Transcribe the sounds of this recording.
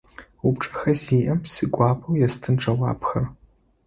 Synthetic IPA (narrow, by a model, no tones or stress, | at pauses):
ʊpʈ͡ʂʼɐ̥xɐziːʔɐmsɨɡʷɑːpʰʼɐwjɛstʰɨnʈ͡ʂʰʼɐwɑ̰ːpxɐr